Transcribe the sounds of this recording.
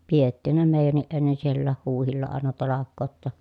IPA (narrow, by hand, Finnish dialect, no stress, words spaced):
pietːiˑhæn ne meˑijænːiʔ ʔenːen sielːæːh huːhilːɑ ɑˑenɑ tɑlɑkːoːt tɑ